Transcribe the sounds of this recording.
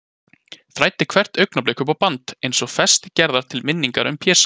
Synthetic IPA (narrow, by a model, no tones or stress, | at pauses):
θɾajt̪ɪkʰv̥ɛr̥t̪œɥknapleːjkʏpawpant̪ejnsɔɣfɛst̪ɪcɛɾðaɾ̥t̪ʰɪlmɪnːiŋkaɾʏ̰mpʰjɛːsḁ